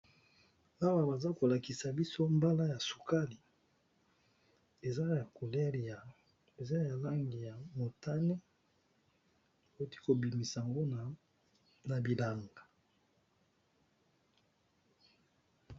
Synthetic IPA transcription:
a˦wa˨ba˨za˦ko˨la˨ki˨sa˨bi˦so˦mba˦la˦ja˨su̥˨ka˦li˨ | e˨za˦ja˨ko˨le˦ʁi˨a˨ | e˨za˦ja˨la˦ŋɡi˨ja˨mo˨ta˦ne˦ | o˨˦ti̥˦ko˨bi˨mi˨sa˨a˨ŋɡo˦n˨ | na˨bi˨la˨ŋɡa˨

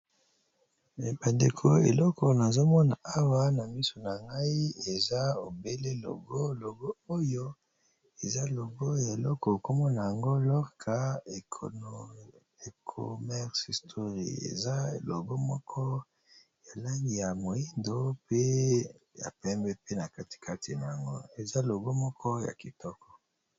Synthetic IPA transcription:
ba˨nde˨kʰo˨ḛ˨lɔ˦kʰɔ˨na˨zo˦mɔ˦na˨a˦wa˦na˨mi˦so˨na˨ŋɡa˦i˦e˨za˦o˨be˦le˦lo̰˨ɡo˦lo˨ɡo˦o˦jo˦ | e˨za˦lo˨ɡo˦ja˨e˨lɔ˦kɔ˨ko˦mɔ˦na˨ja˨ŋɡo˦lɔ˦ʁkʰa˦e˨o˨no˨ | e˨kʰo̰˨mɛ˦ʁsi˨stʰo˦ʁḭ˨ḛ˨za˦lo˨ɡo˦mɔ˦kʰɔ˦ | ja˨la˦ɡi˨ja˨mo˨i˦ndo˦pe˦ | ja̰˨pɛ˦mbɛ˦pe˦na˨ka˦ti̥˨kʰa˦ti˨na˨ja˨ŋɡo̰˦e˨za˦lo˨ɡo˦mɔ˦kʰɔ˦ja̰˨ki˨tɔ˦kʰɔ̥˨

